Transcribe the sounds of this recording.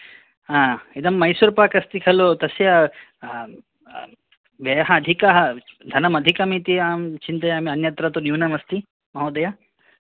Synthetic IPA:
ɦãːid̪ɐmːɐjsuɾpaːkɐst̪ikʰɐlot̪ɐsja | ʋɐjɦɐɐd̪ʱikaɦɐd̪ʱɐnɐmɐd̪ʱikɐmĩt̪iaːmt͡ʃint̪ɐjaːmiɐnjɐt̪ɾɐt̪onjuːnɐmɐst̪i | mɐɦod̪ɐja

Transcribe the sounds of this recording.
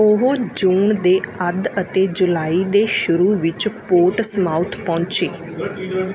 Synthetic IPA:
ʊɦoːd͡ʒuːɳd̪eːəd̪ət̪eːd͡ʒʊlaːiːd̪eːʃʊɾuːʋɪt͡ʃpoːʈsmaːʊt̪ʰpɔ̃ːnt͡ʃeː

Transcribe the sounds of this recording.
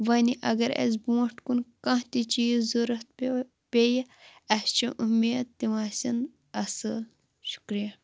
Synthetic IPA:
ʋɐniʔɐ̰ɡɐɾḛzbũːʈkunkɐ̃ht̪it͡ʃizuɾɐt̪̚ | pejɐɐst͡ʃʰĩʔumiːd̪t̪iʋaːsɐn | ɐsɨl | ʃu̥kɾijɐ

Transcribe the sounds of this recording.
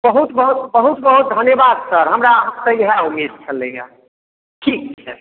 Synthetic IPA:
bəɦut̪bəɦut̪bəɦut̪bəɦut̪̚d̪ʱənjebad̪səɾɦəmɾaɦəmt̪əjɦɛumːid̪̚t͡ʃʰəleja̰ | ʈʰiːksəɾ

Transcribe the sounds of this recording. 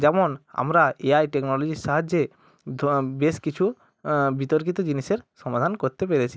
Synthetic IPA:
d͡ʑɛmona̰mɾaeajʈeknɔlod͡ʑiʃaɦad͡ʑːe | beʃkit͡ɕʰu | bit̪oɾkit̪od͡ʑiniʃeɾʃɔmad̪ʱankoɾt̪epeɾet͡ɕʰi

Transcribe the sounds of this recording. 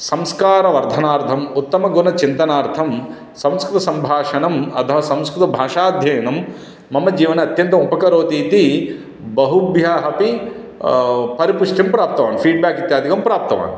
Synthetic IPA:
sɐmskaːɾɐʋɐɾd̪ʱɐnaːɾt̪ʰɐmut̪ːɐmɐɡunɐt͡ʃint̪ɐnaːɾt̪ʰɐm | sɐ̃mskɾut̪ɐsɐmbʱaːʂɐnɐmɐt̪ʰɐɦɐsɐmskɾut̪ɐbʱaːʂaːd̪ʱjɐːɐnɐmː | ɐmːɐd͡ʒiːʋɐnɐɐt̪jɐnt̪̬ɐupɐkɐɾoːd̪iːt̪i | bɐɦubʱjaːɦɐpi | pɐɾipuʂʈimpɾaːp̚t̪ɐʋaːnipʰiːɖ̚baːkit̪jaːd̪ʱikɐmpɾaːp̚t̪ɐʋa̰ːn

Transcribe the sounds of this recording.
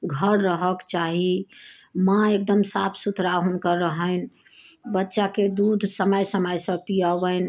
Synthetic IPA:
ɡʱəɾɾəɦəkt͡ʃaɦi | mãek̚d̪əmsapʰsut̪ɾaɦunkəɾəɦən̆ | bətːʃaked̪ud̪ʱsəməjsəməjsə̃pijəʋən

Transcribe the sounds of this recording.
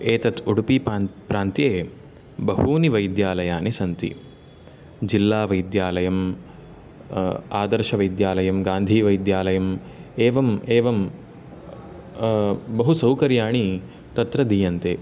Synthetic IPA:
eːt̪ɐt̪uɽupipɾaːnt̪jeː | bɐɦuːniʋɐjd̪jaːlɐjaːnisɐnt̪ḭ | d͡ʒilːaːʋɐjd̪jaːlɐjɐm | aːd̪ɐɾʃɐʋɐjd̪jaːlɐjɐmɡaːnd̪ʱiːʋɐjd̪jaːlɐjɐm | eːʋɐmeːʋɐm | bɐɦusɐwkɐɾjaːɳi | t̪ɐt̪ɾɐd̪iːjɐnt̪eː

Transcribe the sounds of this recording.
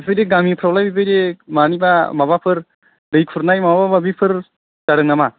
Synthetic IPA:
bipʰɯjdeɡamipʰɾawlajbibʰɯjdemanibamabapʰɯɾ | dɯjkʰuɾnajmababababipʰɯɾ | d̥aɽɯŋama

